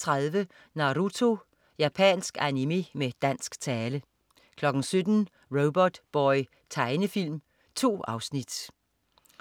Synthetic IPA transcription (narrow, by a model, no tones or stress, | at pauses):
t͡sʰʁaðˠʋə | nɑ̈ʁut͡sʰo̝ | jæpʰɛ̰ːnsɡ̥ænime̝med̥æn̰sɡ̥t͡sʰɛːlə | kʰlɒ̽ɡ̥n̩sød̥n̩ | ʁoʊb̥ɒd̥b̥ɒɪ | t͡sʰɑ̈ɪnəfil̰m | t͡sʰo̝̰ːɑ̈ʊsnid̥